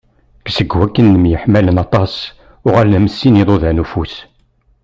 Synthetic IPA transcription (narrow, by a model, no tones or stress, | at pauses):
ɡ̥səɡwækːənːəmjəħmælənɑt̪ˤɑs | ʊʁælːæməsːiniðˤoðænufus